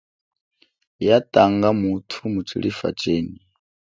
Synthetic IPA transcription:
jat̪ʼaŋɡamutʰumut͡sʰiɺifa̰t͡ʃʼeːni

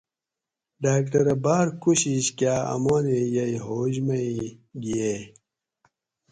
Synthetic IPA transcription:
ɖaːk̚ʈɐɾɐbaːɾkuɕiɕkjaːɐ̰moːnejɐiɦoːʑmɐiɡie

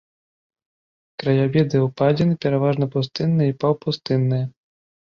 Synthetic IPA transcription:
kɾɐjabʲɛd̪ɨwpad͡zʲɛnɨpʲɛɾavaʐnɐpust̪ɨnːɨjipawpust̪ɨnːɨjɐ

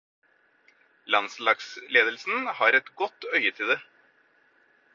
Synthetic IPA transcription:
lɑnslɑːɡsleːd̪əlsn̩hɑːɾɛt̪ɡɔt̪ːœʏət̪ʰɪld̪ɛ

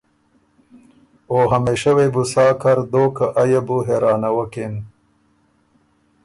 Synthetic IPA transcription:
oːɦɐmeːʃɐwebusɑːkʰɐɾd̪oːkaʔajɐbuɦeːɾɑːnɐwɐken

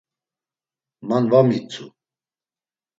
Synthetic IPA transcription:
manvamit͡sʰu

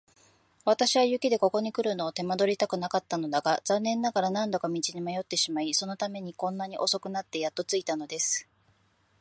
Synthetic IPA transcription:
βat̪aɕiβajɯ̟kʲid̪e̞ko̞ko̞ɲ̟ikɯ̟ɾɯ̟no̞ːt̪e̞mad̪o̞ɾʲit̪akɯ̟nakat̪ːano̞d̪aɡaz̥ãnːẽ̞nːaɡaɾanãnd̪o̞kamʲit͡ɕiɲimajo̞t̪ːe̞ɕimaiso̞no̞t̪ame̞ɲ̟ikõ̞nːaɲ̟iʔo̞so̞kɯ̟nat̪ːe̞jat̪ːo̞t͡sɨit̪ano̞d̪e̞sɨ̥

